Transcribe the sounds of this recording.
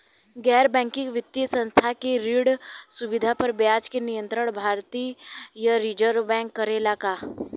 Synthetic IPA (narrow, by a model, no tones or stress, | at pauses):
ɡɛːɾbɛ̃ːŋkɪkʋɪt̪ːjəsə̃nst̪ʰakeɾɪɽsʊʋɪd̪ʱapəɾbjaːd͡ʒkenɪjə̃nt̪ɾəɽ̃bʱaːɾt̪iːjaɾid͡ʒəɾbɛ̃ːŋkːəɾelakaː